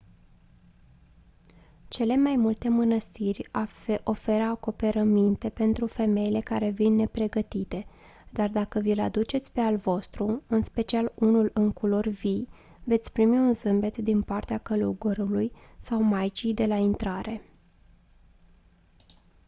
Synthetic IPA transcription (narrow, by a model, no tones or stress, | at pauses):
t͡ʃe̞le̞majmult̪e̞mənəst̪irʲo̞fe̞ɾəako̞pe̞ɾəmint̪e̞pe̞nt̪ɾufe̞me̞jile̞kaɾe̞vinːe̞pɾe̞ɡət̪it̪e̞ | d̪ard̪akəvilad̪ut͡ʃe̞t̪sʲpe̞alvo̞st̪ɾuɨnspe̞t͡ʃialunulɨŋkulo̞rvi | ve̞t̪sʲpɾimiunzɨmbe̞t̪d̪inpart̪eakəluuɡuɾulujsawmajt͡ʃijd̪e̞laint̪ɾaɾe̞